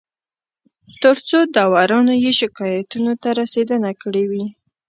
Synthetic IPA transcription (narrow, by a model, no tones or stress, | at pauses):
t̪əɾt͡sod̪ɑwɑɾɑnojeʃɪkɑjat̪unot̪aɾased̪ənakəɽewi